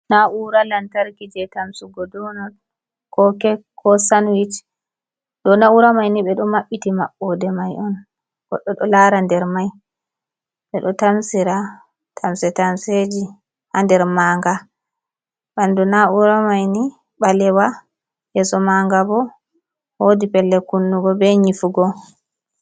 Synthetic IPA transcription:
naʔuɾalantaɾkid͡ʒɛtamsuɡɔdɔnɔd | kɔkɛkʰɔsanwit͡ʃ | ɗɔnauɾamajniɓɛɗɔmaɓːitimaɓːɔdɛmajʔɔn | ɡ̥ɔ̰ɗːɔɗɔlaɾandɛɾmaj | ɓɛɗɔtamsiɾa | tʰamsɛtansed͡ʒi | handɛɾmaːŋɡa | ɓandunauɾamajni | ɓalɛwa | jɛsɔmaŋɡabɔ | hodipɛlːɛkunːuɡɔbɛɲifuɡɔ

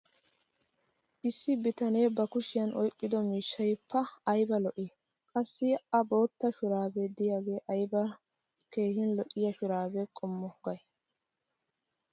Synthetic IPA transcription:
ʔɪsːɪbɪt̪ɐne̞ːbɐkʊʃɪjɐnʔɔjkʼːɪd̪ɔmiːʃːɐjpːɐɐjbɐlɔʔɪ | kʼɐsːɪʔɐbo̞ːt̪ːɐʃʊɾaːbed̪ɪjaːɡe̞ːʔɐjbɐ | ke̞ːhɪnlɔʔɪjɐʃʊɾaːbɛkʼɔmːɔɡɐj

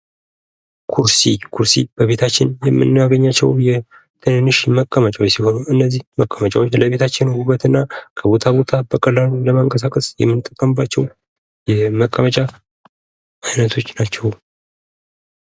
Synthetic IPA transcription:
kʰuɾsikʰuɾsḭb̥əβe̞t̪ʰat͡ʃːɪnjɛmːɨ̰nːaɡəɲːat͡ʃːɛ̰wjɛ | t̪ʰɨnɨnːɨʃməkʼːəmət͡ʃʼawt͡ʃsiho̞nuɨnːəzːihməkʼːəmət͡ʃʼawoləβe̞t̪ʰat͡ʃːɪnowubːət̪ɨnːakʰəβo̞t̪ʰaβo̞t̪ʰabəkʼəlːaluləmaŋkʼəs̬akʼəsjɛ̰mːɨnt̪ʼːəkʼːəmɨbat͡ʃːɛw | jɛməkʼːəmət͡ʃʼa | ajnət̪ʰo̞t͡ʃːnat͡ʃːɛw

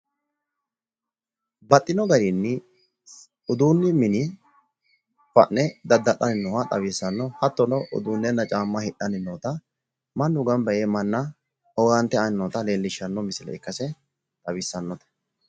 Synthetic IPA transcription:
bɐt̪ʼːɪnɔɡɐɾinːɪ | ʊd̪uːnːɪmɪnɪ | fɐ̰ʔnɛd̪ɐd̪ːɐɗɐnɪnːɔwɐt̪ʼɐ̰βɪsːɐnːɔhɐt̪ːɔnɔʔʊ̰d̪uːnːɛnːɐt͡ʃʼaːmːɐhɪɗɐnɪnːɔːt̪ɐ | mɐnːʊɡɐmbɐjeːmɐnːɐ | ɔɡɐnt̪ːɛɐnɪnːɔːt̪ɐleːlːɪʃːɐnːɔmɪsɪlɛ̰ɪkːɐsɛ | t̪ʼɐbɪsːɐnːɔt̪ɐ̥

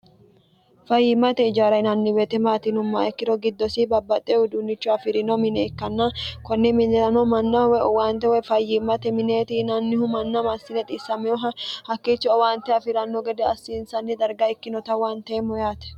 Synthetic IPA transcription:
fɐjːɪmːɐt̪ɛɪd͡ʒaːɾɐjnɐnːɪwet̪ɛmaːt̪ɪnʊmːɐɛkːɪɾɔɡɪd̪ːɔsɪbɐbːɐt̪ʼːeʊd̪ʊnːɪt͡ʃːʊɐfɪɾɪnɔmɪnɛɛkːɐnːɐkɔnːɛmɪnːɛɾɐnɔmɐnːɐwɛɔwaːnt̪ɛwɛfɐjːɪmːɐt̪ɛmɪneːt̪ɪnɐnːɪhʊmɐnːɐmɐsːɪnɛt̪ʼɪsːɐmɛɔɦɐhɐkːeːt͡ʃːɔɔwaːnt̪ːɛɐfɪɾɐnːɔɡɛd̪ɛɐsːɪːnsɐnːɪd̪ɐɾɡɐɛkːɪnɔt̪ɐwaːnt̪ɛmɔjaːt̪ɛ̥

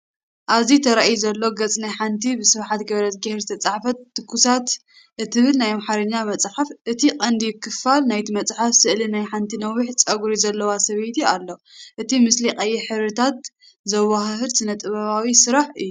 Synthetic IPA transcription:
ʔaβzit̪ʰɐɾaʔjuzɐlːo̞ɡɐt͡sʼnajħant̪ʰibɨsɨβħat̪ɡɐβɾɐt̪̚ɡɐhɾzɨt̪ʰɐt͡sʼaħfɐt̪ːɨkːusat̪ | ʔɨt̪ʰɨβɨlnajmaħaɾɐɲːamɐt͡sʼħafʔɨt̪ʰiqʼɐnd̪ijɪkʰːɨfalnajt̪ʰimɐt͡sʼħafsɨʔlinajħant̪ʰinɐwːɨħt͡sʼɐɡuɾizɐlːɐwasɐβejt̪ialːo̞ʔɨt̪ʰimɨsliqʼɐjːɛħɨβɾɨt̪ʰat̪ | zɐwahhɨɾsʰɨnɐt̪ʼɨβɐβawisɨɾaħɨjːu

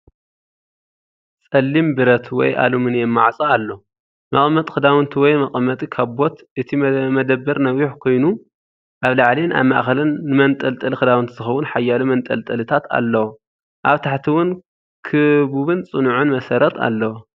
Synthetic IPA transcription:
t͡sʼɐlːimbɨɾɐt̪ʰwɔ̰jʔa̰lumɨnjɛmːa̰ʕsʼaalːo | mɐkʼmːɐt̪ʼxɨd̪awɨnt̪ʰiwɔjmɐqʼɐmːɐt̪ʼikʰaβbo̞t̪ʔɨt̪ʰimɐd̪ɐbːɐɾnɐwjuħkʰo̞jnu | ʔaβlaʕlina̰βmaʔxɐlɨnːɨmɐnt̪ʼɐlt̪ʼɨlɨxɨd̪awɨnt̪ʰiz̥ɨxɐwʊnħajːalumɐnt̪ʼɐ̰lt̪ʼɐlɨt̪ʰat̪a̰lːɐwo | ʔaβt̪ʰaħt̪ʰiwʊn | kʰɨbuβɨnt͡sʼɨnʕunmɐsɐɾɐt̪ʰa̰lːɐwo

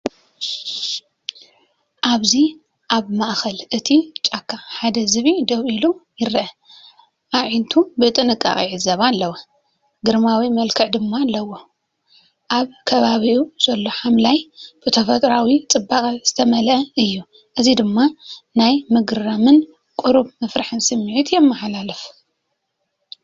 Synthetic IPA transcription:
ʔaβzi | ʔaβmaʔxɐlʔɨt̪ʰit͡ʃʼakʰːaħad̪ɐzɨβid̪ɐwʔilujɪɾʔɐ | ʔaʕint̪ʰubɨt̪ʼɨnɨkʼːa̰χʼiʕɨzɐβalːɐwɐ | ɡɨɾmawimɐlkʰɨʕd̪ɨmːalːɐwo̞ | ʔaβkʰɐβaβiuz̥ɐlːo̞ħamlajb̥ɨt̪ʰɐfɐt̪ʼɾawit͡sʼɨbːakʼɐzɨt̪ʰɐmɐlʔɐɨjːu | ʔɨzid̪ɨmːanajmɨɡɨɾɐmɨn | kʼuɾuβmɨfɾaħɨnsɨmːiʕit̪jɛmːɐħlalɨf

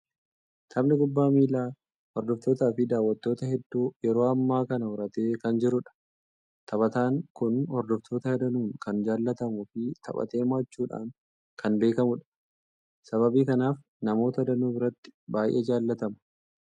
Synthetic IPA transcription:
t̪ʰɐmnɪkʊbːaːmiːlaː | hɔɾd̪ɔft̪o̞ːt̪aːfɪd̪aːwːɐt̪ːo̞ːt̪ɐhɛd̪ːuːjɛɾo̞ːɐmːaːkɐnɐʊɾɐt̪e̞ːkɐnd͡ʒɪɾʊᶑɐ̥ | t̪ʰɐbɐt̪aːŋkʊnhɔɾd̪ɔft̪ʰo̞ːt̪ɐhɛd̪ɐnuːŋkɐnd͡ʒaːlːɐt̪ɐmʊfɪt̪ʰɐ̰pʼɐ̰t̪e̞ːmaːt͡ʃːuːᶑa̰ːŋ | kʰɐnbe̞ːkɐmʊᶑɐ̥ | sɐβɐbiːkɐnaːf | nɐmo̞ːt̪ɐd̪ɐnuːbɪɾɐt̪ːɪ̥baːjʔḛːd͡ʒaːlːɐt̪ɐmɐ̥

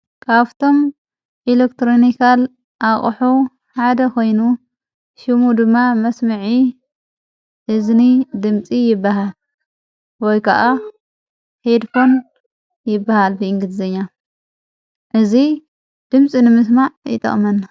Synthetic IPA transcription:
kʰaβt̪ʰo̞m | ʔelekt̪ʰɾonikʰal | ʔaχʼħu | ħad̪ɐkʰo̞jnu | ʃɨmud̪ɨmːamɐsmɨʕi | ʔɨznid̪ɨmt͡sʼijɪbːaɦal | wɔjkʰɐ̰ʔa | hed̪fo̞n | jɪbːahalbɨɨŋɡɨd̪zɐɲːa | ʔɨzi | d̪̥ɨmt͡sʼinɨmɨs̬maʕjɪ̰t̪ʼɐ̰χʼmɐn

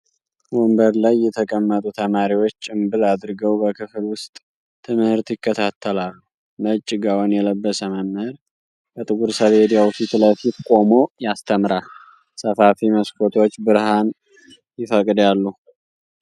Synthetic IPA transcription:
wombəɾlajːɛt̪ʰəkʼəmːət̪ʼut̪ʰəmaɾiwo̞t͡ʃːɨmbɨlad̪ɾɨɡəwbəkʰɨflwʊst̪ʼ | t̪ʰːɨmhɨɾt̪jɪkːət̪ʰat̪ʰːəlalːu | mət͡ʃʼːɪɡawonjɛləbːəsəməmhəɾ | kʰət̪ʼɨɡuɾsəβed̪jawt̪it̪ʰləfifkʷʼo̞mo̞jast̪ʰəmɾa | səfafiməskʰot̪ʰo̞t͡ʃːbɨɾhan | jɪfəkʼd̪jalːu

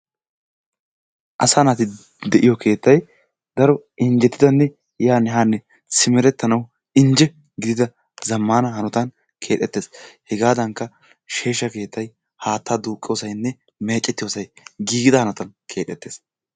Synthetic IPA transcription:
ʔɐsanat̪ɪ | d̪ɛʔɪjɔkʰe̞ːt̪ːɐj | d̪ɐɾɔɪnd͡ʒɛt̪ːɪd̪ɐnːɛ | jaːnːɛɦaːnːɛ | sɪmɛɾɛt̪ːɐnɐw | ɪnd͡ʒɛ | ɡɪd̪ɪd̪ɐ | zɐmːaːnɐhɐnɔt̪ɐn | kʰe̞ːᶑ̪ʼɛt̪ːeːshɛɡaːd̪ɐŋkːɐ | ʃe̞ːʃːɐke̞ːt̪ʰːɐj | haːt̪ːaːd̪uːkʼːɪjoːsɐjnːɛ | me̞ːt͡ʃʼːɛt̪ːɪjo̞ːsɐjɡiːɡɪd̪ɐhɐnɐt̪ɐnkʰe̞ːᶑ̪ʼɛt̪ːe̞ːs

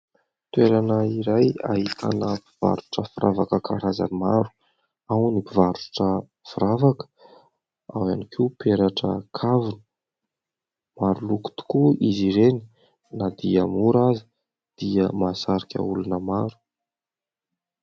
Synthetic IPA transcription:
t̪ueɾanəiɾaja̰ɦit̪ʰa̰nəpiv̥a̰ɾu̥ʈ͡ʂəfɾʔavakəkʰaɾaza̰nimaɾu̥ | awnipivaɾu̥ʈ͡ʂə | fiɾavakə̥ | awanikʰipeɾaʈ͡ʂəkʰavunə | maɾuluku̥t̪u̥kuiziɾeni | nad̪iamuɾazi | d̪̥iəmasaɾikʲa̰ulunəmaɾu̥

